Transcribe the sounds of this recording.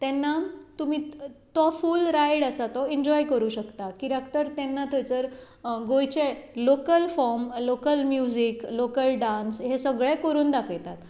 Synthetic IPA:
t̪ɛnːat̪umiːt̪ɔfulɾajɽəsat̪ɔiɲd͡ʑɔjkəɾuːɕəkt̪akiɖakt̪əɾt̪ɛnːat̪ʰəjt͡səɾ | ɡojt͡ɕelokəlfɔɾmlokəlmjud͡ʑiklokəlɖãnsɦesəɡɭẽkəɾuːnd̪akʰəjt̪at̪

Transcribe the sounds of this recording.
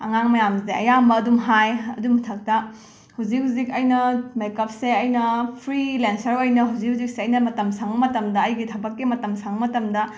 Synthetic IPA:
ɐ̰ŋaŋmɐjamzeʔɐ̰jambɐːdumɦajɐ̰dumtʰɐk̚tɐ | huwd͡ʒik̚ɦhuzikɐjnɐmejkɐp̚seɐjnɐpʰɾilensɐɾojnɐɦuzik̚huzik̚seɐjnɐmɐtɐmsaŋɐmɐtɐmdɐːjɡitʰɐbɐkːimɐtɐmsaŋmɐtɐmdɐ

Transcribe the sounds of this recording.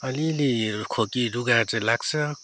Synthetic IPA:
ʌlilikʰokiɾuɡaɾt͡sʌ̃laɡ̚t͡sʰʌ

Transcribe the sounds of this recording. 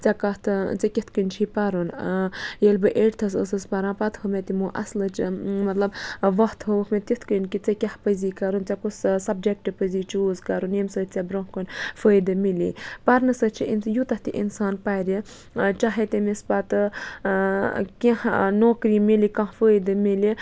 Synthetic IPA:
t͡sakɐt̪t͡sɐkʲit̪ʰkənt͡ʃʰipɐɾunjelbɨʔeʈt̪ʰɐs̬ə̰səspɐɾãːpɐt̪həmet̪imuʔɐslət͡ʃmɐt̪lɐbʋɐht̪ʰɦəʋəkʰmet̪it̪ʰkənkit͡sɐkʲɐhpəziːkɐɾunt͡sakussɐb̚d͡ʒek̚ʈɨpəziːt͡ʃuːzkɐɾunemsəːt̪ʰt͡sabɾõɦkonfəjd̪ɨmilḭpɐɾnɨsət̪t͡ʃʰiʔinsjut̪ɐht̪iʔḭnsaːnpaɾi | t͡ʃaɦet̪emispat̪ɨ | kʲahnoːkɾimilikãɦfəjd̪ɨmili

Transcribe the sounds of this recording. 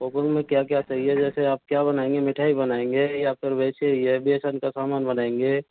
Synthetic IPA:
pokəŋmẽkjakjat͡ʃaɦied͡ʒɛːseaːp̚kjabənaːẽŋɡemɪʈʰaːibənaẽŋɡejapʰɪɾbeːt͡ʃeiɛbieːsənkasaːmaːnbənaːẽŋɡe

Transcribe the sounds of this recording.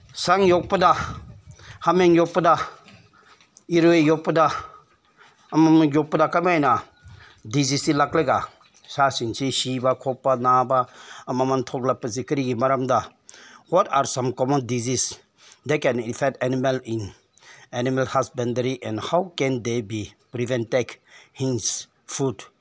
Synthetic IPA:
saŋjok̚pəda | hamẽŋjopːəda | iɾwejopːəda | ɐmamjok̚pədakamajna | dizisilakleɡa | ʃasint͡ʃʰiʃibakʰopːanaːbaɐmamãnt̪ʰɔklapːəzikəɾiɡimaɾamd̪a | wɔtaɾsãmkɔmɔ̃ndizis | d̪ekɛninfɛk̚tɛnimalĩn | ɛnimalhasbɛ̃ndəɾiʔɛ̃nhawkɛ̃nd̪ebipɾivɛ̃ntekhĩns | fud

